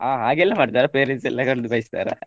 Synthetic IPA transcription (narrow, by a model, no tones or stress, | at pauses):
aːɦaːɡɛlːamaːʈt̪aːɾɐpeːɾɛnsɛ̰lːakɐɳɖɯpɐjst̪a̰ːɾɐ̰